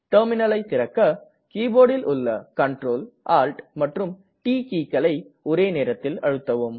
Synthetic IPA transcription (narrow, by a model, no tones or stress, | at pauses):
ʈɐːɾmɪnɐlɐɪt̪ːɪɾɐkːɐ | kiːboːɽɪlʔʊɭːɐkɐɳʈroːlʔaːlʈmɐʈrɯm | ʈiːkiːkːɐlɐɪɔɾeːneːɾɐt̪ːɪlɐ̰ɻɯt̪ːɐʋɯm